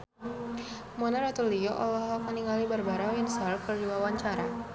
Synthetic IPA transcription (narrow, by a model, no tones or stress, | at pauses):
mɔnaɾat̪uliɔʔɔ̰lɔɦɦɔk̚məniŋalibarbaɾawɛnsalkərɾiwawaɲt͡ʃaɾa